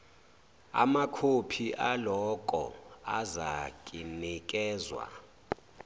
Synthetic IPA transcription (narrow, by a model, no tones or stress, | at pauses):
a̰makʰopʰiʔalɔkʼɔ̰azakʼinik̬ʼɛːzwa̰